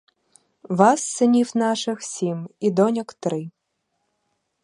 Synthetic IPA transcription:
vasːɨnʲifnaʂɨxsʲimid̪ɔnʲəkt̪ɾɨ

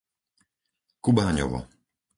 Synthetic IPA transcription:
kubaːɲɔ̰ʋɔ̰

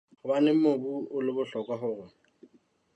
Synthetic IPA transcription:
χʊbanɪmobuʊlɪbʊɬɔkwaɦʊːrɛ

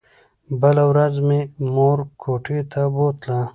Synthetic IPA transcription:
bəlawɾazmemoːɾkʰoːʈʰit̪ʰabot̪la

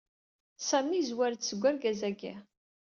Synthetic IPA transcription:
sæmnizwæɾt͡s̪səɡʷːæɾɡæzæɡḭ

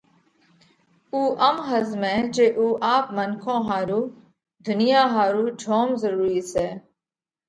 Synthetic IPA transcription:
uːʔəmɦəzmɛ̃ːd͡ʒeːʔuːʔaːpmənkʰõːɦaːɾuː | d̪ʱʊnɪjaːɦaːɾuːd͡ʒʱoːmzəɾuːɾiːsɛː

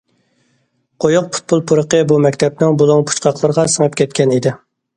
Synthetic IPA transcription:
qʰojuq̚pʰu̥t̪̚bolˠpʰuɾəqəbumɛkʲt̪ʰɛp̚nɪŋbolˠuŋpʰu̥t͡ʃqʰɑqlˠəɾəʁɑsəŋɨp̚kʲʰɛt̪̚kʲɛnid̪ɪ

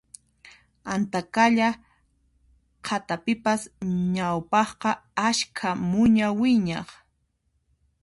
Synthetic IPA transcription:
ant̪akaʎa | qʰat̪apɪpasɲawpɑχqɑaʃkʰamʊɲawɪɲɑ̰χ

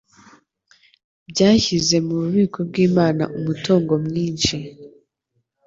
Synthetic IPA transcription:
bɟaːçize̞muβuβiːkʰob̚ɡiːmaːna̰ʔumuto̞ːŋɡo̞mŋiːnʃi

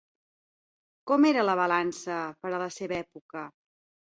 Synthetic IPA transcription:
kɔmeɾələβ̞əlansəpəɾələseβɛpukə

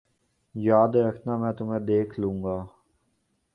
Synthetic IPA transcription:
jaːd̪eːəkʰnaːmɛ̃ːt̪ʊmẽːd̪eːkʰlũːŋɡaː

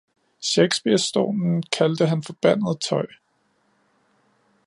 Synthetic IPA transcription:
ɕeɡ̥sb̥iɐ̰sːd̥o̝̰ːnn̩kʰæld̥əɦænfɒ̽b̥æn̰ð̞̩ˠt͡sʰɒ̽ɪ̰

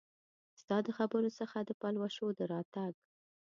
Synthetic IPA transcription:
st̪ɑd̪əxabəɾosəxad̪əpalwaʃod̪əɾɑt̪aɡ

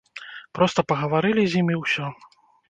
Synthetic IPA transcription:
pɾɔst̪ɐpɐɣɐvaɾɨlʲizʲimʲiwsʲɔ

